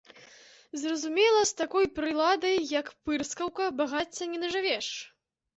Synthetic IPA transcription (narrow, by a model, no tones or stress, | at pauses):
zrɐzumʲɛlˠɐst̪akɔjpɾɨlˠad̪ɐjːɐkpɨrskɐwkɐbaɣat͡sʲːɐnʲɛnɐʐɨvʲɛʂ